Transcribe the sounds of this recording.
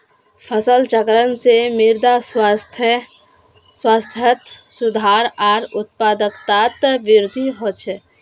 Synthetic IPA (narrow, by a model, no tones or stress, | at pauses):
pʰəsəlt͡ʃəkɾənsemɪɾd̪aswst̪ʰ | swaːst̪ʰət̪sʊd̪ʱaːɾaːɾʊt̪̚paːd̪əkt̪at̪ʋɪɾd̪ʱiɦot͡ʃʰɛ